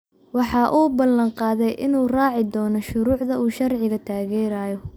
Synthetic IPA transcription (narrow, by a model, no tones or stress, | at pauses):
wɑħɑːʔuːbɐlɐɴqɑːðɛjʔɪnuːrɑːʕɪd̪ɔːnɔʃʊɾuːʕd̪ɐʔuːʃɐrʕɪɣɐt̪ʰaːɣɛːɾaːjɔ